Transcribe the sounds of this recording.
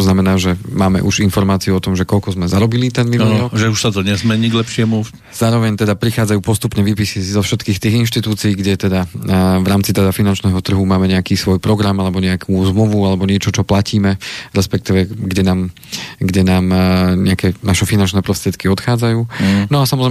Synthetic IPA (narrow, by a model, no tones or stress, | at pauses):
znamɛnaːʒɛmaːmɛ̰ʔuʒinfɔɾmaːt͡siuɔt̪ɔmʒɛkɔʎkɔzmɛzaɾɔbilit̪ɛnminuɾɔkʒɛuʃsat̪ɔɲɛzmɛɲiːɡlɛpʃɪɛmu | z̥aːɾɔʋɛɲt̪ɛd̪apɾixaːd͡zajuːpɔst̪upɲɛʋiːpisisizɔfʃɛt̪kiːxt̪iːɣinʃt̪it̪uːt͡siiːɡɟɛt̪ɛd̪avɾaːmt͡sit̪ɛd̪afinant͡ʃnɛːɦɔt̪r̩ɦumaːmɛɲɛakiːsʋɔjpɾɔɡɾamalɛbɔɲɛakʰuzmluʋualɛbɔɲɪɛt͡ʃɔt͡ʃɔplaciːmɛɾɛspɛk̚t̪iʋɛɡɟɛnaːm | ɡɟɛnaːmɲɛakɛnaʃɛfinant͡ʃnɛːpɾɔst̪ɾɪɛt̪kiɔt̪xaːd͡zajuːnɔasamɔzɾɛ